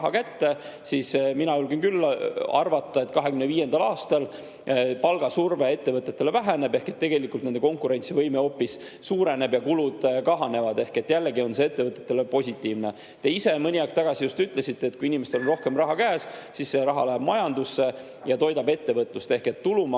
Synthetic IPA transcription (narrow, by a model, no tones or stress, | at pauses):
ɦɑkæt̪ːe̞ | sisminɑylɡenkylːɑ̰rvɑt̪ːˑɑe̞t̪ːˑkɑɦekymneviːje̞nd̪ɑlɑːst̪ɑl | pɑlɡ̥ɑsurve̞e̞t̪ːe̞vɤt̪ːˑe̞t̪ːe̞levæɦene̞b̥e̞hke̞t̪ːe̞ɡe̞likult̪ned̪eko̞ŋkuɾe̞nt̪sivɤjmeo̞pːisː | uːɾe̞ne̞bjɑkulud̪̥kɑɦɑne̞vɑd̪̥e̞hke̞t̪ːˑjælːeɡio̞nseet̪ːevɤt̪ːˑe̞t̪ːˑelepo̞sʲit̪ːˑiːvne̞ | t̪e̞ise̞mɤnʲiɑkst̪ɑɡ̥ɑsijust̪yt̪ːˑle̞sit̪ːe̞ːt̪kuiinimest̪e̞lonro̞hke̞mrɑɦɑkæːssisːe̞ɾɑɦɑ̰læb̥mɑjɑnd̪usːe̞ | jɑt̪o̞jd̪ɑbe̞t̪ːe̞vɤt̪ˑlust̪e̞hke̞t̪ːulumɑ